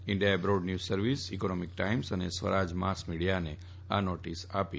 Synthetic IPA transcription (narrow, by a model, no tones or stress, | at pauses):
ɪ̃ɳɖiabɾoɖnjusːəɾʋisikonɔmik̚ʈaimsənḛsʋə̰ɾad͡ʒmasmiɽijane | anoʈisapḭ